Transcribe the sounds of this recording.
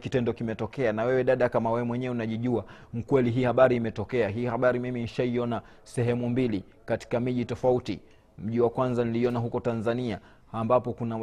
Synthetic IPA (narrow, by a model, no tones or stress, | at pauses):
kitɛndɔkimɛtɔkɛanawɛwɛɗaɗakamawɛwɛmwɛɲɛɛunaʄiʄua | m̩kwɛliɦiːhaɓaɾiːmɛtɔkɛaɦiːhaɓaɾimiminiʃaiɔna | sɛɦɛmumbili | kati̥kamiʄitɔfautḭ | m̩ʄiwakwanzaniliɔnaɦukɔtanzaniaː | mbapɔkuna